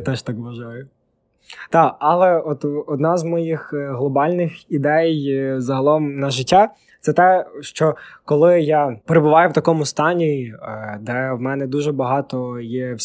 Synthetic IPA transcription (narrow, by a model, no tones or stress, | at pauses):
t̪ɛʃt̪ɑkʋɐʒɑjʊ | t̪ɑɑlˠɛɔt̪ɔd̪nɑzmɔjixɦlˠɔbɑlʲnɪxid̪ɛjzɐɦɐlˠɔmnɐʒɪtʲːa | t̪sɛt̪ɛʃt͡ʃɔkɔlˠɪjɑpeɾebʊʋɑjʊwt̪ɐkɔmʊst̪ɑnʲid̪ɛwmɛnɛd̪uʒɛbɐɦɑt̪ɔjɛwʲ